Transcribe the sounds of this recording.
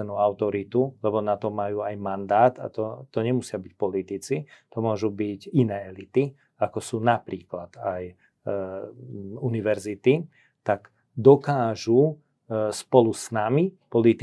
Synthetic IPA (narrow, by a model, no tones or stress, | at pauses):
ɛnuaʊt̪ɔɾit̪ulɛbɔnat̪ɔmajuːajmand̪aːt̪a̰t̪ɔt̪ɔɲɛmusɪabic̚pɔlit̪it͡sit̪ɔmʊɔʒubiɟinɛːɛlit̪i | akɔsuːnapɾiːklad̪aj | uniʋɛɾzit̪i | t̪aɡ | d̪ɔkaːʒu | spɔlusnamipɔlit̪